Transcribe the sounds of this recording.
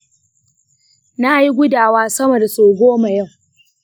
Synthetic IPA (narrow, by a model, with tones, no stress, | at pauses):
na˦ji˦ɡʷʊ˦daː˨waː˦sɐ˦mo˨da˨soː˨ɡʷoː˦ma˨jɐ˦˨w